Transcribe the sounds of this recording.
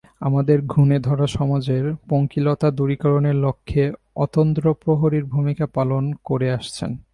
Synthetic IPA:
amad̪eɾɡʱuned̪ʱɔɾaʃɔmad͡ʑeɾpoŋkilot̪ad̪uɾikɔɾoneɾlokʰːe | ɔt̪ond̪ɾopɾoɦoɾiɾbʱumikapalonkoɾeaʃt͡ɕʰḛn

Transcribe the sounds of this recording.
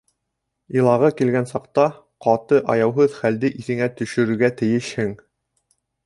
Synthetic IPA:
ilˠɑʁɤkilɡænsɑqt̪ɑ | qɑt̪ɤʔɑjɑwɦɤðχæld̪ɘʔiθɘ̆ŋæt̪ɵ̆ʃɵ̆ɾɘ̆ɾɡæt̪ɘ̆jɘʃhɘŋ

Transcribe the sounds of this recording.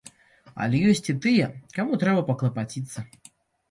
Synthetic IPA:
ɐ̰lʲɛjɔsʲt͡sʲit̪ɨjɛkamut̪ɾɛbɐpɐklˠɐpat͡sʲit̪sːɐ

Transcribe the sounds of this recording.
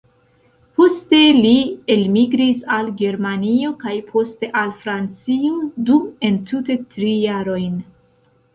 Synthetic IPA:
po̞ste̞lielmiɡɾisalɡe̞ɾmanio̞kajpʰo̞ste̞ʔalfɾant͡siudume̞ntute̞tɾijaɾo̞jn

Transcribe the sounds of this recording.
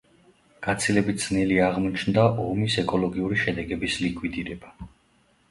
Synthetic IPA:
ɡ̥at̪sʰilɛbit̪̚ʰz̥niliaʁmɔt͡ʃʰnd̪aʔɔmisɛkʼɔlˠɔɡiuɾiʃɛd̪ɛɡɛbislikʰʼwid̪iɾɛba

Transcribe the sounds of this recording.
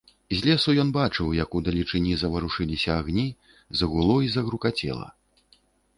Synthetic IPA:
zʲlʲɛsujɔnbat͡ʂɨwjɐkud̪ɐlʲit͡ʂɨnʲizɐvɐɾuʂɨlʲisʲɐaɣnʲi | zɐɣulˠɔizɐɣɾukat͡sʲɛ̰lˠɐ̰

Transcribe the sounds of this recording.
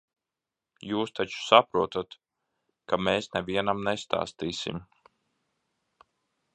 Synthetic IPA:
juːst̪at͡ʃu̥sapɾuɔt̪at̪ | kameːsnɛviɛnamnest̪a̰ːst̪iːsḭm

